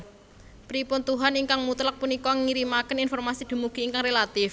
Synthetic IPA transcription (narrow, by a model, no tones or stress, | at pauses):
pɾipʊnt̪uɦaniŋkaŋmut̪lak̚punikɔŋiɾimakəninfɔrmasid̪̥ṳmuɡ̥iːŋkaŋrelat̪ɪf